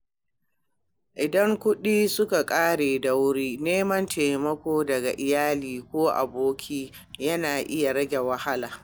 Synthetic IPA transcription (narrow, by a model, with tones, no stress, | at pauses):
ʔɪ˨dɐ˦ŋkʷʊ˦ɗiː˦sʊ˦ka˨kʼaː˦ɽeː˨dɐ˦wɽiː˦neː˦mɐ˦nteː˨mɐ˦kʷoː˦dɐ˨ɡa̰˨ʔɪ˨jaː˦liː˨kʷoː˦ʔa̰˨boː˦kʲʰiː˦ | jɐ˦naː˨ʔɪ˦ja˨ɽɐ˦ɡʲe˨wɐ˨ha˦laː˨